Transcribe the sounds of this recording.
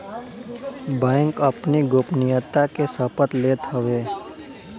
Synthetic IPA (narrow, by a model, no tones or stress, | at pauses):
bɛ̃ːŋkəpniɡoːpnɪjət̪ːakesəpət̪leːt̪ɦəʋeː